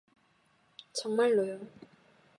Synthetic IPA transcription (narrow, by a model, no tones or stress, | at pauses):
t͡ɕʰʌŋmalːojo